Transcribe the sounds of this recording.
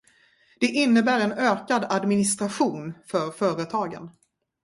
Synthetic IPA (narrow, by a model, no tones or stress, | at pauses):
d̪̥ɛʔɪnːəbæːɾɛnøːkad̪ad̪mɪnɪst̪ɾaɧuːnfœɾfœːɾət̪ʰɑːɡə̰n